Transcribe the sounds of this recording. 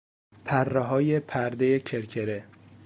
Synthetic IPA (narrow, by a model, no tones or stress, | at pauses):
pʰærːeɦɒːje̞pʰæɾd̪e̞jecʰeɾcʰeɾe